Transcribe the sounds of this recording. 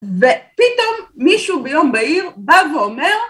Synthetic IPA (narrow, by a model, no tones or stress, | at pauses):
vepit̪omːiʃubejombaiʁbaveomeʁ